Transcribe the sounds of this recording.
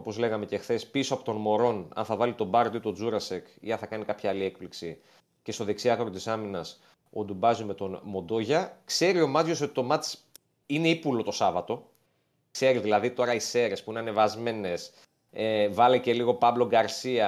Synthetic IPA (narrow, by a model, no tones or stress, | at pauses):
o̞po̞zle̞ɣɐme̞ce̞xθe̞spisoɐpo̞t̪o̞nmo̞ɾo̞nɐ̰nθɐvɐlit̪o̞bɐɾtd̪oit̪o̞d͡zuɾɐsekḭɐnθɐkɐnikɐpçɐɐliek̚pliksi | ce̞st̪o̞ðe̞ksiɐɣɾot̪isɐminɐs | od̪ubɐzime̞t̪o̞nmo̞d̪o̞ʝɐkse̞ɾio̞mɐt͡sʝo̞s̬oi̥t̪o̞mɐt͡s | ine̞ipulo̞t̪o̞sɐvɐt̪o̞ | kse̞ɾiðilɐðit̪o̞ɾɐise̞ɾe̞spuineɐne̞vɐzme̞ne̞s | evɐlece̞liɣo̞pɐblo̞ɡɐɾsiɐ